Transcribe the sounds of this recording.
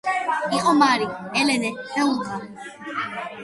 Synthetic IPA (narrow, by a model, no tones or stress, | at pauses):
iqʼɔmaɾiɛlɛnɛhɛuza